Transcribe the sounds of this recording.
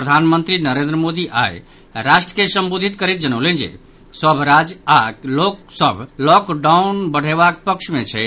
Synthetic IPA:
pɾəd̪ʱanmə̃nt̪ɾinəɾẽnd̪ɾəmod̪iʔa̰j | ɾaʃʈɾəkesə̃mbod̪ʱit̪kəɾit̪̚d͡ʒənəʊlẽnd͡ʒḛ | səbʱɾad͡ʒaloksəbʱlɔkɖaunbəɽ̤eβakpəkʃmẽt͡ʃʰɛ

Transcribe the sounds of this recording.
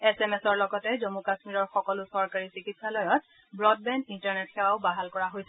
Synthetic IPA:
ɛsɛmɛsɔɹlɔɡɔtɛzɔmukasmiɹɔɹxɔkɔlʊsɔɹkaɹisikitsalɔjɔt̚ | bɹɔd̚bɛndintɔɹnɛtxɛwaʊbaɦalkɔɹaɦojsɛ

